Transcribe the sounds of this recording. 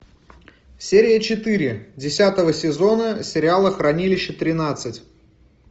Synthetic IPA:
sʲeɾʲɪjət͡ɕɪt̪ɨɾʲɪdʲɪsʲat̪əvəsʲɪzo̞nəsʲɪɾʲɪalˠəxrɐnʲilʲɪɕːət̪ɾʲɪnat̪sɨtʲ

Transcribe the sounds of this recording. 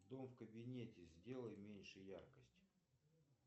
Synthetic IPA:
d̪o̞mfkəbʲɪnʲetʲɪzʲdʲe̞lˠəjmʲenʲʂɨjarkəsʲtʲ

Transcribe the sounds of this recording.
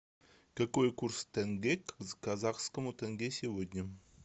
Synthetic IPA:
kakojkurst̪ɘnɡʲekkazɑχskə̆mut̪ʲæŋɡʲesʲevod̪ʲnʲɘ̆

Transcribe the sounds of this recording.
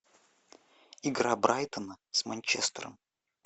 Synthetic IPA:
iɡɾabɾʔajt̪ənəsmɐnʲt͡ɕḛst̪əɾə̰m

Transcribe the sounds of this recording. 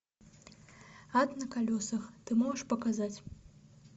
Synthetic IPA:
at̪nɐkalʲɔsɐxt̪ɨmɔʒɐʂpɐkazat͡sʲ

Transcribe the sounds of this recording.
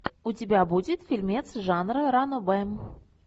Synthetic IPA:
utʲɪbʲabudʲɪt̪fʲilʲmʲet̪sʐanrɨɾanobɛm

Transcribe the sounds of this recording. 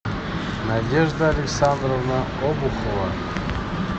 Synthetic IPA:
nadʲeʐd̪əalʲɪksand̪rovna | obuχəlˠa̰

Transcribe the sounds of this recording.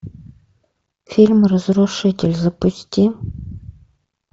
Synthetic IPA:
fʲilʲmrəzruʂɨtʲɪlʲzɐpʊsʲtʲi

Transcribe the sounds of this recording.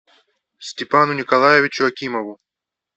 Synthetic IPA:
sʲtʲɪpanʊnʲikɐlˠajeʋɪt͡ʃʊɐkʲimɔʋʊ

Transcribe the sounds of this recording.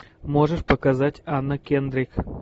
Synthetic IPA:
moʐəʂpəkazatʲanːəkʲend̪ɾʲik

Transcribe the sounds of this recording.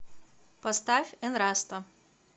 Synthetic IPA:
pɐst̪afʲɛnɾast̪ɐ

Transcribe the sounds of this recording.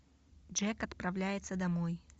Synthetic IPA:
d͡ʐɛkɐt̪pɾɐvlʲæjɪt̪səd̪ɐmoj

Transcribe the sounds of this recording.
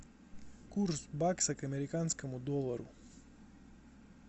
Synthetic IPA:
kursbaksakɐmeɾikanskəmud̪olˠaɾu

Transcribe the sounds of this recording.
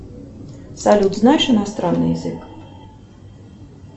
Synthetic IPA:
salʲud̪znaʂɨnast̪ɾanːɨ̰jzɨk

